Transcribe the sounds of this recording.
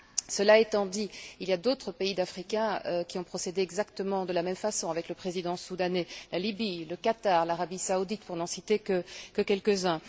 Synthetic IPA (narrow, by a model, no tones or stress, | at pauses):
səlaet̪ɑ̃d̪iiljad̪ot̪χəpeid̪afχikʲɛ̃økʲiɔ̃pχɔsed̪eɛɡzakt̪əmɑ̃d̪əlamɛmfasɔ̃avɛkləpχezid̪ɑ̃sud̪anelʔalibiləkat̪aʁlaʁabisaud̪it̪puʁnɑ̃sit̪ekəkəkʲɛlkəzɛ̃